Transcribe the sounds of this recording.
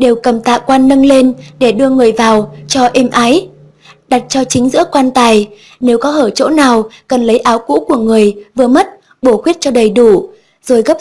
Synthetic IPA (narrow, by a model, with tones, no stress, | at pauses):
ɗe˨˩wkə˨˩mt̪a̰ː˧˨kwaː˧nːə˧nle˧nɗe˧˩ɗɨ˧əŋɨ˨˩əjvaː˨˩wt͡ɕɔ˧ʔɛ˧mʔaː˨˦j | ɗa˨˩t̚t͡ɕɔ˧t͡ɕï˨˦ŋ̟zɨ̰˧˥əkwaː˧nt̪aː˧˩j | ne˨˦wkɔ˨˦həː˧˩t͡ɕo̰˧˥naː˨˩wkə˨˩nlə˨˦jʔaː˨˦wkṵ˧˥ku˧˩əŋɨ˨˩əjvɨ˨˩əmə˦˥t̚ | ɓo˧˩xwi˦˥t̚t͡ɕɔ˧ɗə˨˩jɗu˧˩ | z̥o˨˩jɣə˦˥p̚